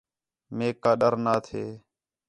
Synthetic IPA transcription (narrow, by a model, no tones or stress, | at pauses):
meːkːaːɗəɾnaːt̪ʰeː